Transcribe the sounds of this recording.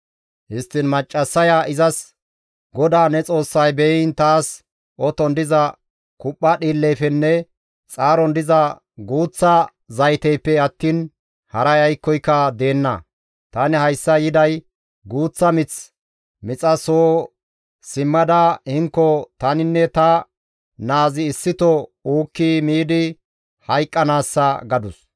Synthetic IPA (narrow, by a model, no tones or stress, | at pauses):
hɪst̪ːɪnmɐt͡ʃʼːɐsːɐjaʔɪzɐs | ɡɔd̪aːnɛt͡sʼo̞ːsːɐjbɛɪnt̪aːs | ʔɔt̪ɔnd̪ɪzɐ | kʊpʼːɐɗiːlːɛjfɛnːɛ | t͡sʼaːɾɔnd̪ɪzɐ | ɡuːt͡sːɐ | zɐjt̪ɛjpːɛɐt̪ːiːn | hɐɾɐjɐjkːɔjkːɐd̪e̞ːnːɐ̰ | t̪ɐnɪhɐjsːɐjɪd̪ɐj | ɡuːt͡sːɐmɪt͡s | mɪt͡sʼɐsoː | sɪmːɐd̪ɐhɪŋkːɔt̪ɐnɪnːɛt̪ɐ | naːzɪːsːɪt̪ɔuːkːimiːd̪ɪ | hɐjkʼːɐnaːsːɐɡɐd̪ʊs